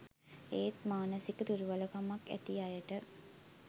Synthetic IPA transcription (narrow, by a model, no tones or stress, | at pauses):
eːt̪maːnəsikət̪uɾuʋaləkamakːæ̰t̪iajəʈə